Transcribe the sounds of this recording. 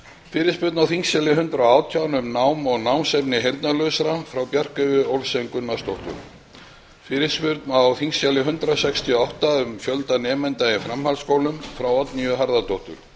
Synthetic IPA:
fɪːɾɪ̥spʏɾt̪nawθiŋsjalɪɦʏnt̪ɾawaːwt̪ʰjawnʏmnaːwmɔɣnawmsɛpnɪɦejɾt̪nalœsaɾafɾawpjar̥kœɥjʏowlsejŋkʏnːast̪owht̪ʏ̰ɾ̥ | fɪːɾɪspʏɾt̪nawθiŋsjalɪɦʏnt̪ɾasɛkst̪ʰiɔawht̪aʏmfjœlt̪anɛːmɛnt̪ajɪfɾɛmhalskowlʏmfɾawɔt̪nijʏɦaɾðat̪owht̪ʏ̰ɾ̥

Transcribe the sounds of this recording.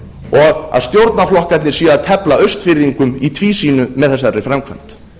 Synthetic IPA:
ɔɣɣa̰ðst̪jowɾt̪naflɔhkat̪nɪɾ̥siːaðt̪ʰɛplaœɥst̪fɪɾðiŋkʏmit̪ʰviːsiːnʏmɛðθɛs̬ːarːɪfɾɛmkʰvɛm̥t̪

